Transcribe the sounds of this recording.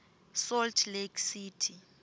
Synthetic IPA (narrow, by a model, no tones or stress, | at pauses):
sɔltʰleksiːtʰi